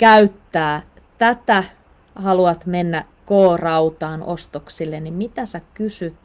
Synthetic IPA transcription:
kæyt̪ːæː | t̪æt̪æ | hɑluɑt̪menːæ | koːrɑut̪ɑːnʔost̪oksilːenːimmit̪æsækysyt̪

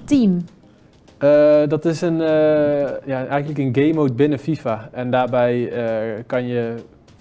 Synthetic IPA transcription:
tim | ədɔtɪsənəjaɛjɣəntləkənɡejmowd̚bɪnəfifaɛndaːbɛjəkɑnjə

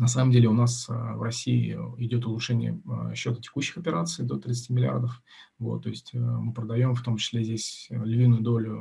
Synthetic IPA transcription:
nɐs̬aməmdʲelʲɪʊnasəvrɐsʲiɪ̰ɪdʲo̞t̪ʊlˠʊʂɛnʲɪ̰jə̰ɕːo̞t̪ətʲɪ̥kuɕːɪxɐpʲɪɾat̪sɨd̪o̞t̪ɾʲɪt̪sɨ̥tʲimʲɪlʲɪa̰rd̪əf | vo̞̰t̪ːo̞ɪsʲtʲəmɨpɾəd̪ɐjo̞mft̪o̞mt͡ɕɪ̥slʲezʲdʲesʲlʲvʲinːʊjʊd̪o̞lʲʊ

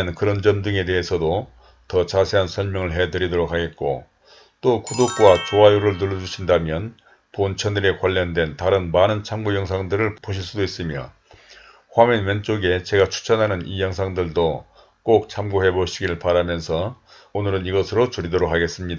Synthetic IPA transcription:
enkɯɾʌnd͡ʑʌndɯŋe̞de̞ɦesʰʌdo | tʌt͡ɕasʰe̞ɦansʰʌɭmjʌŋɯɭɦe̞dɯɾidoɾok̚haɡe̞t̚k͈o̰ | t͈okudok̚k͈wat͡ɕoajuɾɯɭnɯɭːʌd͡ʑuɕʰindamjʌn | pont͡ɕʰʌnɯɾekwaʎːʌndwe̞ntaɾɯnmanɯnt͡ɕʰamɡojʌŋs̬ʰaŋdɯɾɯɭpoɕʰiɭs͈udois͈ɯmjʌ | ɸwamenwent͡ɕ͈oɡe̞t͡ɕe̞ɡat͡ɕʰu̥t͡ɕʰʌnɦanɯnijʌŋsʰaŋdɯɭdo | k͈ok̚t͡ɕʰamɡoɦe̞boɕʰiɡiɯɭpaɾamjʌnsʰʌ | onɯɾɯniɡʌsʰɯɾot͡ɕuɾidoɾok̚haɡe̞s͈ɯmɲida

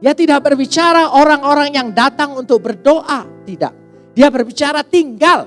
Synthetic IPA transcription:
ijat̪idak̚bərbit͡ʃaɾaʔoɾaŋoɾaŋjaŋdat̪aŋunt̪ʊk̚bərdoʔat̪ida̰ʔ̚ | diabərbit͡ʃaɾat̪iŋɡal

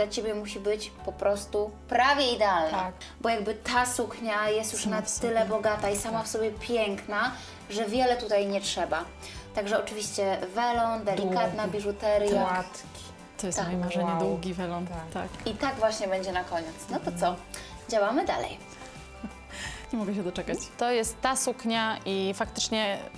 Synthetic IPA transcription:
lat͡ɕebʲjɛmuɕibɘt͡ɕpɔpɾʔɔst̪upɾavʲjɛid̪ɛalna̰ | bɔjaɡ̚bɘt̪asukɲajɛst̪juʂnat̪ːɘlɛbɔɡat̪aisamafsɔbʲjɛpʲjɛŋkna | ʐɛvʲjɛlɛt̪ut̪ajɲɛtʂɛba | t̪aɡʐɛɔt͡ʂɘvʲiɕt͡ɕɛvɛlɔnd̪ɛlʲikat̪nabʲiʐut̪ɛɾja | t̪ɔjɛst̪mɔjɛmaʐɛɲɛd̪wuɡʲivɛlɔnt̪a̰kit̪aɡvwaɕɲɛbɛɲd͡ʑɛnakɔɲɛt̪snɔt̪ɔt̪sɔ | d͡ʑawamɘd̪a̰lɛ̰j | ɲɛmɔɡɛɕ̬ɛd̪ɔt͡ʂɛkat͡ɕ̪ːɔjɛst̪ːasukɲaʔifak̚t̪ɘ̥t͡ʂɲɛ

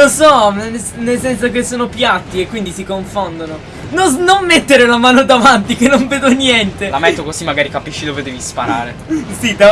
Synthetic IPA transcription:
losɔnesnelsɛnsokesːoːnopjat̪ːiekːwind̪isikoɱfond̪ono | nonomːet̪ːeɾelamaːnod̪avant̪ikenːoɱveːd̪onjɛnt̪elamɛt̪ːokozimːaɡaːɾikapiʃːid̪oːved̪ɛːvispaɾa̰ːɾḛsid̪a

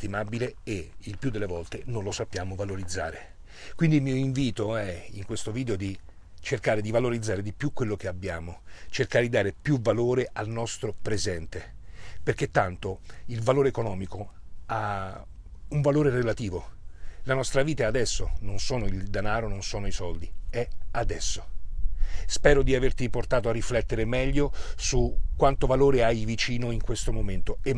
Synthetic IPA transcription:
t̪imabileeilpjud̪ːelːevɔlt̪enojlosapːjaːmovaloɾid̪zːa̰ːɾe | kwind̪ilmiːoiɱviːt̪oɛiŋkwest̪oviːd̪eod̪i | t͡ʃerkaːɾed̪ivaloɾid̪zːaːɾed̪ipjukːwelːok̟eabːjaːmot͡ʃerkaːɾed̪id̪aːɾepjuvaloːɾeʔalnɔst̪ɾopɾezɛnt̪eperk̟et̪ːant̪oilvaloːɾeːkonɔːmikoa | uɱvaloːɾerelat̪iːvolanɔst̪ɾaviːt̪aɛad̪ɛsːononsoːnoild̪anaːɾononsoːnoisɔld̪iɛad̪ɛsːo̥ | spɛːɾod̪iavert̪iport̪aːt̪oarːiflɛt̪ːeɾemɛʎːosukːwant̪ovaloːɾeajvit͡ʃiːnoiŋkwest̪omoment̪oe

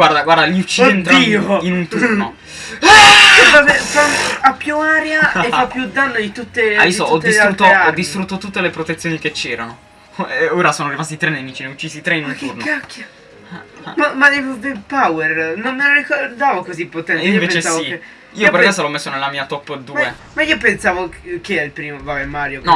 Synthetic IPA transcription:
ɡward̪aɡwaɾd̪aʎiut͡ʃːient̪ɾioinunt̪uɾno | vabɛfaapːjuaɾjaʔefːapːjud̪ːanːod̪it̪ut̪ːea̰d̪isoɔd̪isɾut̪ːoaɔd̪ːist̪ɾut̪ːot̪ut̪ːelepɾot̪et̪sːjoːniket͡ʃːɛːɾano | oːɾasoːnoarimast̪it̪ɾenːemiːt͡ʃineut͡ʃːiːsit̪ɾeinũnfkeunjakːja | mamad̪evvepawɛrnonːelɾikord̪aːvokozipːot̪ɛneĩioveːpet͡ʃesavie | iːoopeɾkesolɔmːesːonelamiːat̪ɔpːd̪umːae | maiːop̬ensaːvokeilpɾiːmovabɛmaːɾjonɔ

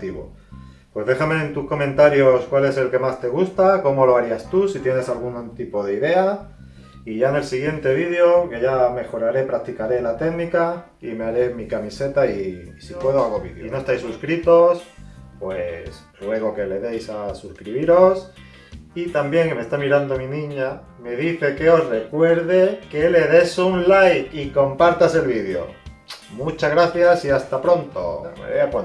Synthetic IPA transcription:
t̪iβo̞̰ | pwe̞zðe̞xame̞ːnt̪uhko̞mẽ̞nt̪aɾjo̞skwale̞se̞lke̞mast̪e̞ɣ̞ust̪ako̞mo̞lo̞aɾiast̪usit̪je̞ne̞salɣ̞unt̪ipo̞ð̞eiðe̞a | iʝaene̞lsiɣ̞je̞nt̪e̞β̞ið̞jo̞ke̞ʝame̞xo̞ɾaɾe̞pɾak̚t̪ikaɾe̞lat̪e̞ɣnika | ime̞aɾe̞mikamise̞t̪aisipwe̞ðoalɣoβið̰ino̞est̪ajsuskɾit̪o̞spwes | lwe̞ɣ̞o̞ke̞le̞ðejsasuskɾiβiɾos | it̪ambjeŋkeme̞st̪amiɾand̪omĩnĩɲa | me̞ðiθe̞ke̞o̞sre̞kwe̞ɾðe̞ke̞le̞ðe̞suŋlajiko̞mpaɾt̪ase̞lβiðjo̰ | mut͡ʃazɣɾaθjasiast̪apɾo̞nt̪o̰mḛβejapwo

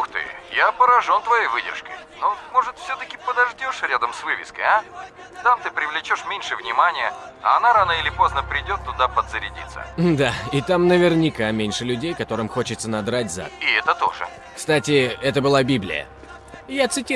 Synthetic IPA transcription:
xt̪ɨ̰japəɾɐʐo̞nt̪vɐjejvɨdʲɪ̰rʂkə̰jnomo̞ʐɨt̪fsʲot̪əkʲɪpəd̪ɐʐdʲoʂɾʲad̪əmsvɨvʲɪ̰skə̰ja | t̪amt̪ɨpɾʲɪvlʲɪt͡ɕo̞ʂmʲenʲʂɨvnʲɪmanʲɪjəa̰ɐnaɾanəɪlʲɪpo̞znəpɾʲɪdʲo̞t̪ːʊd̪apəd̪zəɾʲɪdʲḭt̪sːə̰d̪aɪt̪amnəvʲɪrnʲɪkamʲenʲʂɨlʲʉdʲejkɐt̪o̞ɾɨmxo̞t͡ɕɪt̪sənɐd̪ɾatʲza̰ɪɛt̪ət̪o̞̰ʐɨ̰ | kst̪atʲɪɛt̪əbɨlˠabʲiblʲɪ̰jə̰ | jat̪sɨtʲi

